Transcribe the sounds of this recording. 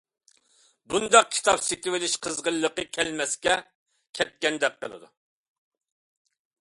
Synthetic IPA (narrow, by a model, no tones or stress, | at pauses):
bund̪ɑq̚kʲʰi̥t̪ʰɑpset̪ɪwɪlɪʃqʰəzʁəlˠːəqəkʲʰɛlmɛskʲɛ | kʲʰɛt̪̚kʲɛnd̪ɛkqːə̰lˠɨ̰d̪ṵ